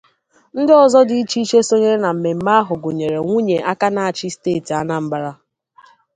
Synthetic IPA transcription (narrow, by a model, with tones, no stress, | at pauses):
n̩˦dɪ˦ɔ˨zɔ˦dɪ˨i˦t͡ʃi˦i˦t͡ʃe˦so˦ɲe˦ɾna˨m̩˨me˨m̩˦ma˦a˦ɦʊ˨ɡʊ˨ɲe˨ɾe˨ŋʷu˦ɲe˨ʔa˦ka˦na˨a˨t͡ʃɪ˦steː˦˨ti˨a˦na˨m̩˦ba˨ɾa˦